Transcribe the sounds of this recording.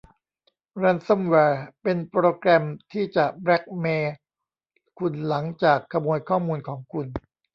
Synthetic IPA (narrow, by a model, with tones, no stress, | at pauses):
ɾɛ˧nso˥˩mwɛː˧pe˧npɾoː˧kɾɛ˧mt̪ʰiː˥˩t͡ɕa˨˩ʔbɾɛ˦˥k̚meː˧ | kʰu˧nla˩˦ŋt͡ɕaː˨˩kʰːa˧mu˧əjkʰɔː˥˩muː˧nkʰɔː˩˦ŋkʰu˧n